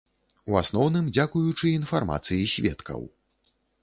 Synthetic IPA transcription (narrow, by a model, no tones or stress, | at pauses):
uasnɔwnɨmd͡zʲakujut͡ʂɨin̪farma̰t̪sɨjisʲvʲɛ̰t̪kʰɐ̰w